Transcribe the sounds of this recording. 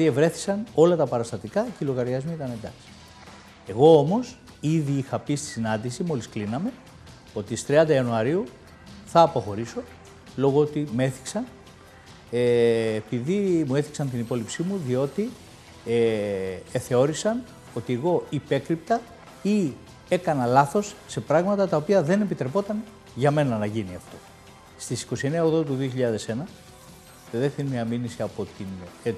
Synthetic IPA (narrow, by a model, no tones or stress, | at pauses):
ie̞vɾe̞θi̥sɐno̞lɐt̪ɐpɐɾɐst̪ɐt̪ikɐcilo̞ɣɐɾʝɐzmiit̪ɐne̞nd̪ɐ̰ksi̥ | e̞ɣo̞omo̞s | iðiixɐpist̪i̥sinɐnd̪isimo̞lisklinɐme̞ | o̞t̪ist̪ɾiɐnd̪ɐiɐnuɐɾiu | θɐːpo̞xo̞ɾiso̞ | lo̞ɣoot̪ime̞θi̥ksɐn | eːpiðimue̞θi̥ksɐnt̪inipo̞lipsimuðio̞t̪i | e | θe̞o̞ɾisɐn | o̞t̪ieɣo̞ipe̞kɾipt̪ɐ | i | e̞kɐnɐlɐθo̞sːe̞pɾɐɣmɐt̪ɐt̪ɐopiɐðe̞ne̞pit̪ɾe̞po̞t̪ɐn | ʝɐme̞nɐnɐʝiniɐft̪o̞ | st̪isi̥ko̞sie̞neɐoɣðot̪̬uðio̞çiʎɐðe̞se̞nɐ | eðeft̪inmiɐminisiɐpo̞t̪in